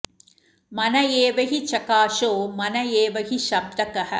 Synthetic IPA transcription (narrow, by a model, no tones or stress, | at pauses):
mɐnɐjeːʋɐɦit͡ʃɐkaːʃoːmɐnɐjeːʋɐɦiʃɐb̚d̪ɐkɐɦɐ̆